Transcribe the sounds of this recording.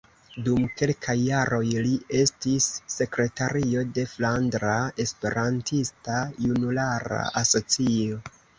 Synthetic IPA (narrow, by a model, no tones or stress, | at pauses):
dumke̞lkʰajːaɾʔo̞jlie̞stisːe̞kɾe̞taɾʔio̞de̞flandɾae̞spe̞ɾantʰistajunulaɾa̰ʔaso̞t͡sio̞